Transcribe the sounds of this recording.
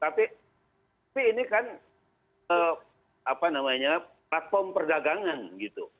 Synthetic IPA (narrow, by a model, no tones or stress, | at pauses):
t̪api | t̪ | apiːnikan | ə | apanamaɲaplat̪̚fɔmpərdaɡaŋanɡit̪u